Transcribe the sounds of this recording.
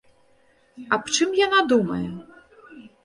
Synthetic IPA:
ɐpt͡ʂɨmjanad̪umɐjɛ

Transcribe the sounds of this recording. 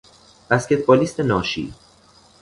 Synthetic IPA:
b̥æscʲe̞t̪̚ʰbɒːlist̪ʰenɒːʃḭː

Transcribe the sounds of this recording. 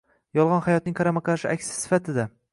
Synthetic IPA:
jɒlˠʁɑnhajɒt̪nɪŋqʰɑɾamaqʰɑʃɪʔa̰kʲsɪ̥sɪ̥fat̪ʰɪd̪a

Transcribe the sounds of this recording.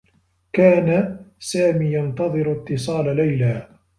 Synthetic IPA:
kaːnasaːmiːjɑnt̪ɑðˤɨɾt̪ːɨsˤɑːlalajlaː

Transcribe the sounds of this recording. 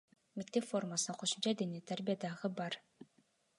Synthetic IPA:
mʲikt̪ːepformasnaqʰoʃumt͡ɕad̪enʲet̪arbʲijad̪aʁɯbɑɾ

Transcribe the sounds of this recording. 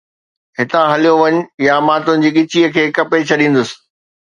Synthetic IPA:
ɦɪt̪ãɦɐlijoʋɐɲʊ̆jamaːt̪ʊnɪ̆d͡ʑiːɠɪt͡ɕiəkʰeːkɐpet͡ɕʰɐɗĩːn̆d̪ʊsɪ̥̆

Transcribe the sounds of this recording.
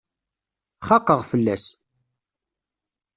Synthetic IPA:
χɑqːəʁfəlːæs

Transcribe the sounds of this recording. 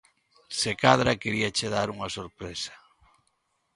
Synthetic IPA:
sekaðɾakeɾiat͡ʃeðaɾuŋasoɾpɾesḁ

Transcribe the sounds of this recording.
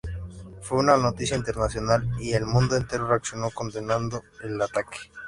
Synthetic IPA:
fweunano̞t̪isjaint̪e̞ɾnasjo̞nalie̞lmũnd̪oent̪e̞ɾoreaksjonoko̞nd̪e̞nãnd̪oelat̪ake̥

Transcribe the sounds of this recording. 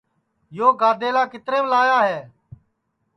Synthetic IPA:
joːɡaːd̪eːlaːkɪt̪ɾeːblaːjaːɦeː

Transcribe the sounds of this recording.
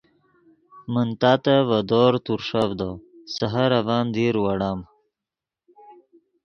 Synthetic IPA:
mənt̪aːt̪ɐvɐd̪oːɾt̪uɾʂɐvd̪osɐɦɐɾɐvaːnd̪iːɾwɐɽaːm

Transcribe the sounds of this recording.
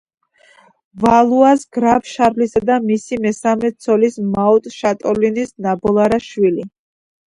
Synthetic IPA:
valˠuasɡɾabʃaɾlisad̪amisimɛsamɛt̪sʰɔlismaɔt̪ʼʃat̪ʼɔlinisnabɔlˠaɾaʃwili

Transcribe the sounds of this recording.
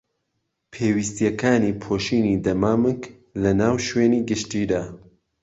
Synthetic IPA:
pʰeːwist̪ijɛkʰaːniːpʰoʃiːniːd̪ɐmaːmɨk | lɐnaːwʃweːniːɡɨʃt̪iːd̪aː

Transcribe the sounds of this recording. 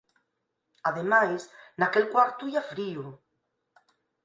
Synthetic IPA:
aðemajsnakelkwaɾt̪uiafɾio

